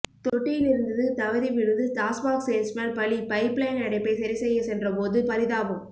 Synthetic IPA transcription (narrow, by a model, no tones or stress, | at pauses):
t̪ɔʈːɪjɪlɪɾɯnd̪ɐðɯt̪ɐʋɐɾiʋɪɻɯðɯtaːsbaːkseːlsmɐlpɐɭipɐɪpɭeːnɐɽɐɪpːɐɪsɐɾisɛjːɐsɛndrɐpoːðɯpɐɾɪðaːʋɯm